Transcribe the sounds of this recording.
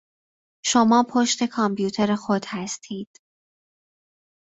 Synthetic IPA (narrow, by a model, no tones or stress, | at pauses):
ʃo̞mɒːpʰoʃt̪ʰe̞kʰɒmpʰjuːt̪ʰe̞ɾexod̪̥hæst̪ʰiːd̪̥